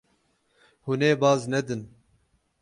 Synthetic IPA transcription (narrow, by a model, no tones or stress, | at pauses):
huneːbɑːznɛd̪ɨn